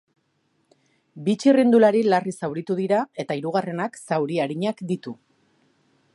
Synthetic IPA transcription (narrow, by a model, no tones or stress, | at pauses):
bit͡ʃirind̪ulaɾilarisawɾit̪uðiɾae̞t̪aiɾuɣare̞naksawɾiaɾiɲakd̪it̪u